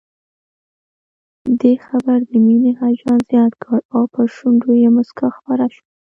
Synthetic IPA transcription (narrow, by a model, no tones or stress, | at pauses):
d̪exabaɾd̪əminehad͡ʒɑnzjɑt̪ɡəɽawpəʃuɳɖojemʊskaxpaɾaʃə